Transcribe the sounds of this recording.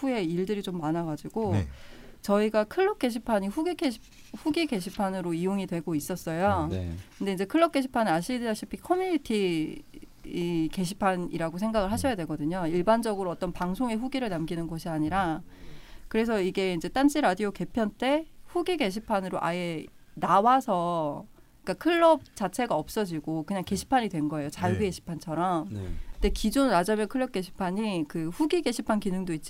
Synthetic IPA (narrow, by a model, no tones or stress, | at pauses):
ɸue̞iɭdɯɾit͡ɕomːanaɡad͡ʑiɡ̥o | t͡ɕʌiɡakʰɯɭːʌp̚k͈e̞ɕ̬ʰipʰaɲiɸuɡikʰe | ɸuɡiɡe̞ɕʰipʰanɯɾoijoŋidwe̞ɡois͈ʌs͈ʌjokɯnde̞ind͡ʑekʰɯɭːʌk̚k͈e̞ɕʰipʰanɯnaɕʰidiaɕʰipʰikʰʌmjuɲitʰi | ke̞ɕʰi̥pʰaniɾaɡos̬ʰe̞ŋɡaɣɯɭɦaɕʰʌjadwe̞ɡʌdɯɲoiɭband͡ʑʌɡɯɾoʌt͈ʌnpaŋsʰoŋe̞ɸuɡiɾɯɭnamɡinɯnɡʌɕʰiaɲiɾa | kɯɾe̞s̬ʰʌiɡe̞ind͡ʑe̞t͈and͡ʑʰiɾadioke̞pʰjʌnt͈e̞ɸuɡiɡe̞ɕʰipʰanɯɾoʔa̰je̞ | nawasʰʌ | ik͈akʰɯɭːʌp̚t͡ɕ͈at͡ɕʰe̞ɡaʌp̚s͈ʌd͡ʑiɡokɯɲaŋke̞ɕʰi̥pʰaɲidwe̞nɡʌe̞jot͡ɕaɭɡueɕʰi̥pʰant͡ɕʰʌɾʌm̰nde̞kid͡ʑonɾad͡ʑʌmjʌkʰɯɭːjʌt̚k͈e̞ɕʰi̥pʰaɲikɯɸuɡiɡe̞ɕʰipʰankinɯŋdoit̚t͡ɕ͈